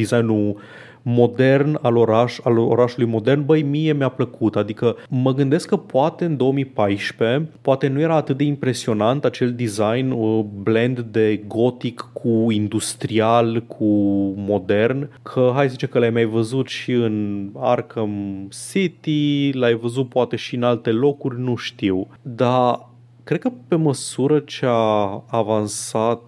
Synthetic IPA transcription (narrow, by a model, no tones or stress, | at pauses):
d̪izajnu | mo̞d̪e̞rnalo̞ɾaʃalo̰ɾaʃulujmo̞d̪e̞rnbəjmije̞mjapləkʰut̪ad̪ikəməɡɨnd̪e̞skːəpoat̪e̞ɨnd̪o̞omipajʃpe̞poat̪e̞nuje̞ɾaːt̪ɨt̪̚d̪e̞impɾe̞sio̞nant̪at͡ʃe̞ld̪izajnəble̞nd̪d̪e̞ɡo̞t̪ikːʰuind̪ust̪ɾialkʰumo̞d̪e̞rnkʰəɦajszəzit͡ʃekəlajmajvəzut̪ʃiɨna̰rkʰəmsit̪ilajvəzut̪̚poat̪e̞ʃiɨnalt̪e̞lo̞kurʲnuʃt̪iw | d̪a | kɾe̞d̪̚kəpe̞məsuɾət͡ʃeaːvansat̪̚